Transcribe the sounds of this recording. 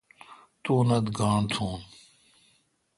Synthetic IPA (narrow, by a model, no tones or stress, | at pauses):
t̪uːnɐd̪ɡaːɳt̪ʰuːn